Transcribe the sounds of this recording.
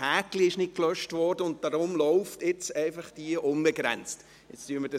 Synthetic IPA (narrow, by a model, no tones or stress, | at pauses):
hæːkliɪʃnɪt̚klœʃtʋɔːrdəʊnt̚d̥aɾʊmlɔʊftɪt͡sɛɪfɑχd̥iəʔʊmbəɡɾɛ̰nt͡st | ɪt͡styəməd̥ɑ